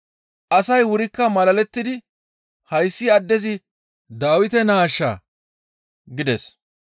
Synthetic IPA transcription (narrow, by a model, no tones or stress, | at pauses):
ʔɐsɐjwʊɾɪkːɐmɐlɐlɛt̪ːɪd̪ɪ | hɐjsːɪɐd̪ːɛzɪ | d̪aːwɪt̪ɛnaːʃːa̰ | ɡɪd̪ɛs